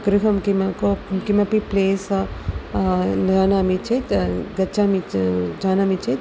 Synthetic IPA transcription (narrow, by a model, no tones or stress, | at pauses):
kɾikɐmkimɐkokimɐpipleːsɐ | lɡaːnamit͡ʃʰetɡɐtːt͡ʃʰamid͡ʒaːnamit͡ʃʰe